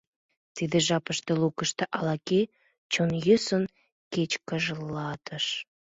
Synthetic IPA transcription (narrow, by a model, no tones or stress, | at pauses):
t̪id̪ĕʒɑpəʃt̪elukəʃt̪ĕʔɑlɑke | t͡ɕonjøsən | ket͡ɕkəʒəlːɑt̪ʰəʃ